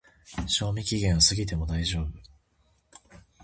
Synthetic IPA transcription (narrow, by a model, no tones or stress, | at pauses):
ɕo̞ːmʲikʲiɡẽɰ̃asɨɡʲit̪e̞mo̞d̪aiʑo̞ːbɯ̟